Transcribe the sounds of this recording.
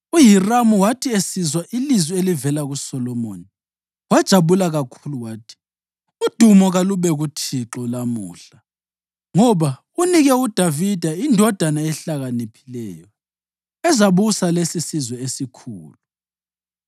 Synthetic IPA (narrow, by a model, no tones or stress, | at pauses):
ujiramuwatʰiesizwaʔilizwielivɛlaɣusɔlɔmo̰ːni | wad̥ʒ̥ʱaβulaɣakʰuluwaːtʰi̥ | ud̥ʱumɔɣaluβɛɣutʰiǁɔlamṵːɬa | ŋɔβa | uniɣɛud̥ʱavid̥ʱaindʱɔd̥ʱanaɛɬaɣanipʰilɛːjɔ | ɛzaβusalesisizwɛesikʰuːlu